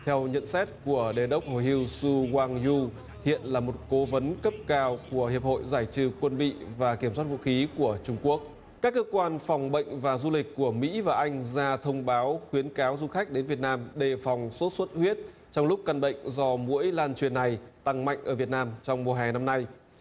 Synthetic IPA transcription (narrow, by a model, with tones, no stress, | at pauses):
t̪ʰɛ˧wɲə̰˧˨nsɛ˦˥t̚ku˧˩əɗe˨˩ɗə˦˥wk͡p̚ho̰˧˨jɦi˧əwsu˧kwaː˧ŋzu˧ | hḭ˧˨ənlaː˨˩mo˨˩t̚ko˨˦və˨˦nkə˦˥p̚kaː˧wku˧˩əhi˨˩əp̚ho̰˧˨jzaː˧˩jt͡ɕɨ̰˧˩kwə˧nɓḭ˧˨vaː˨˩ki˧˩əmswaː˦˥t̚vṵ˧˨xi˨˦ku˧˩ət͡ɕʊ˧ŋ͡mku˦˥ək̚ | kaː˦˥kːəː˦˥kwaː˧nfɔ˨˩wŋ͡mɓə̰˧˨jŋ̟vaː˨˩zu˧lï˨˩k̟̚ʲku˧˩əmḭ˧˥vaː˨˩ʔa˧jŋ̟zaː˧t̪ʰə˧wŋ͡mɓaː˨˦wxwi˨˦ənkaː˨˦wzu˧xa˦˥jk̟̚ɗe˨˦nvi˨˩ət̚naː˧mɗe˨˩fɔ˨˩wŋ͡mso˦˥t̚swə˦˥t̚hwi˦˥ət̚ | t͡ɕɔ˧wŋ͡mlʊ˦˥k͡p̚ka˧nɓə̰˧˨ŋ̟zɔ˧mṵ˧˥əjlaː˧nt͡ɕwi˨˩ənːa˨˩jt̪a˧ŋma̰˧˨jŋ̟ʔəː˧˩vi˨˩ət̚naː˧mt͡ɕɔ˧wŋ͡mmu˨˩əɦɛ˨˩na˧mna˧j